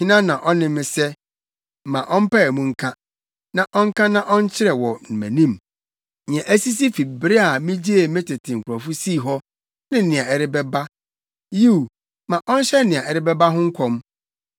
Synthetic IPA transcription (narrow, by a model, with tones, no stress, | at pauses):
hɪ̃˦nã˦nã˨ʔɔ˦nɪ̃˦mɪ̃˨sɛ˦˨ | mã˨ʔɔ̃˦m̩˦pa˦ɛ˨mũ˨ŋ̩˦kʰã˦ | nã˨ʔɔ˦ŋ̩˦kʰã˦nã˦ʔɔ̃˦n̩˦t͡ɕʰɪ˦ɾɛ˨wɔ˨n̩˨mæ̰̃˨nĩ˦m | ɲɛ̃˨ʔæ˦si˦s̬i˦fi˨bɪ˦ɾɪ˦a˨mɪ̃˦d͡ʑi˦e˨mɪ̃˦tʰɪ˨tʰɪ̃˨ŋ̩˨kʰʷʊ˨ɾɔ˨fu˦siː˦˨ɦɔ˦ | nɪ̃˦˨nɪ̃˨a˨ɛ˨ɾɪ˦bɛ˦ba˦ | ji˦u˨ | mã˨ʔɔ̃˦n̩˦ɕɛ˦nɪ̃˨ã˨ʔɛ˨ɾɪ˦bɛ˦ba˦ɦʊ̃˦ŋ̩˦kʰɔ̃˦m